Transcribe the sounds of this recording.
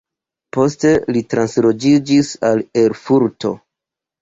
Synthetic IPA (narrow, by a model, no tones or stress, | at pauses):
po̞ste̞litɾanslo̞d͡ʒid͡ʒisale̞ɾfuɾto̞̰